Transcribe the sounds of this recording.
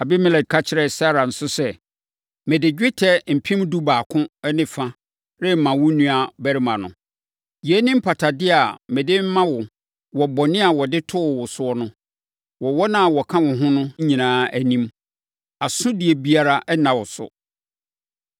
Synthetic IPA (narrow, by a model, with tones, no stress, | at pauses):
a˨bɪ˦mɪ̃˦lɛ˨d̚kʰa˦t͡ɕʰɪ˦ɾɛ˨sa˦ɾa˨n̩˨sʊ˦sɛ˨ | mɛ̃˨dɪ˨d͡ʑᶣɪ˦tʰɛ˦m̩˨pʰĩ˦mdu˦baː˨kʰʊ̃˦ɛ˦nɪ̃˨fã˦ | ɾɪ˦˨mã˨wʊ̃˦nũ˦a˨bæ˦ɾɪ˦mã˨nʊ̰̃˨ | jɛ˦nĩ˦m̩˦pʰa˨tʰa˨dɪ˦a˨mɛ̃˨dɪ˦m̩˦mã˦wʊ˨ | wɔ˨bɔ˨nɪ̃˦a˨wɔ˨dɪ˦tʰʊ˦˨wʊ˨sʊ˦ɔ˦nʊ̃˦ | wɔ˨wɔ˦nã˦˨wɔ˨kʰã˦wʊ̃˨ɦʊ̃˦nʊ̃˦ɲ̩˦ɲĩ˨nãː˨˦æ˨nĩ˦m | a˨sʊ̃˦dɪ˨ɛ˨bi˦a˦ɾa˦ʔɛ˦nã˨wɔ˨sʊ̰˨